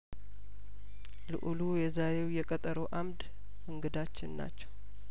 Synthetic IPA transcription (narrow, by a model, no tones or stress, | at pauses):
lɨ̰ʔulujɛzaɾe̞wjɛkʼət̪ʼəɾowʔamd̪ | ʔɨŋɡɨd̪at͡ʃːɪnna̰t͡ʃːɛw